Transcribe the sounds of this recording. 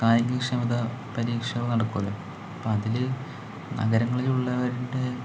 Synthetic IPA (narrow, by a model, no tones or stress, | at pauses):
kaːjɐɡikʂɐmiðɐpɐɾiːkʂɐʋnɐɽɐkːuʋɐlum | ɐpːoɐðil | nɐ̰ɡɐɾɐŋːɐɭiluɭːɐʋɐɾuɳɖe̞